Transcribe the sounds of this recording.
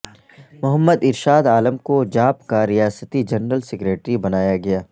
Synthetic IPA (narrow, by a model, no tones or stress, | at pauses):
mʊɦəmːəd̪ɪɾʃaːd̪aːləmkod͡ʒaːpkaɾɪjaːsət̪id͡ʒɐnɾəlsɪkɾeːʈɾibɐnaːjaɡɐjaː